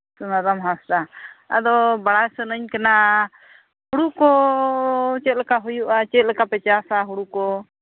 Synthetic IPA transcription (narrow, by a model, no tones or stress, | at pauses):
sunad̪amɦasɾaa̰d̪ɔbaɽasənəɲkana | huɽukɔ | t͡ʃɛt̪̚lɛkaɦujuʔat͡ʃɛt̪̚lɛkapɛt͡ʃasaɦuɽukɔ